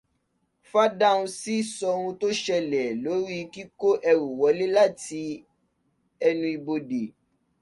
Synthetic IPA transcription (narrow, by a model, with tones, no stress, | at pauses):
fa˦da˦˨ũ˧si˦sɔ˧ɾũ˧to˦ʃɛ˧lɛ˨lo˨˦ɾi˦ki˦ko˦ʔɛ˧ɾu˨wɔ˨˦le˦la˦˨ti˧ | ɛ˧nũ˧i˧bo˧de˨